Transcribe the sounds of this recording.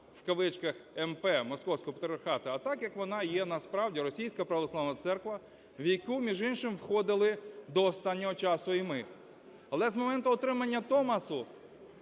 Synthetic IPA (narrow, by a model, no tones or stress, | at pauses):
wkɐʋɪt͡ʃkɐxɛmpɛmɔskɔwsʲkɔɦɔpɐt̪ʲɾʲɪɐrxɑt̪ɐɐt̪ɑkjɐkʋɔnɑjɛnɐspɾɑwdʲiɾɔsʲijsʲkɐpɾɐʋɔslˠɑʋnɐt̪sɛrkʋɐ | ʋʲijkumʲiʒinʃɪmwxɔd̪ɪlˠɪd̪ɔːst̪ɑnʲːɔɦɔt͡ʃɑsʊijmɪ | ɐlˠɛzmɔmɛnt̪ʊɔt̪ɾɪmɐnʲːɐt̪ɔmɐsʊ